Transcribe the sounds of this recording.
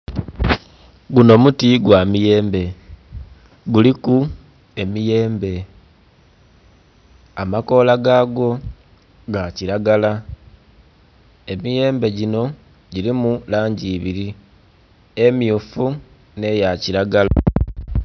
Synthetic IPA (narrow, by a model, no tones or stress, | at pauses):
ɡuno̞mutiɡwaːmije̞ːmbe̞ | ɡuliku | e̞mije̞ːmbe̞ | amako̞ːlaɡaːɡo̞ | ɡaciɾaɡala | e̞mije̞ːmbe̞ɟino̞ | ɟilimulaːɲɟiːβiɾi | e̞mjufu | ne̞jaciɾaɡala